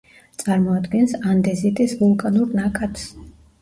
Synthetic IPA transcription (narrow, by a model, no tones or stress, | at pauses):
t̪sʼaɾmɔad̪ɡɛnsand̪ɛzit̪ʼisvulˠkʼanuɾnakʼat̪ʰs